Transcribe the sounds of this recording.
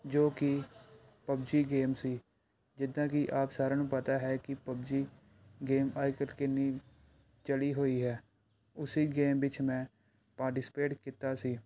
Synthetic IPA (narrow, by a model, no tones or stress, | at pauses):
d͡ʒoːkɪ | pəbd͡ʒiːɡeːmsiː | d͡ʒɪd̪ãːkiʔaːpsaːɾaːnũːpət̪aːɦɛːkɪpəbd͡ʒiː | ɡeːmaːikəɾkɪniː | t͡ʃəɽiːɦoːiːɦɛː | ʊsiːɡeːmʋɪt͡ʃmɛ̃ː | paːɾʈɪsɪ̥peːʈkɪt̪aːsiː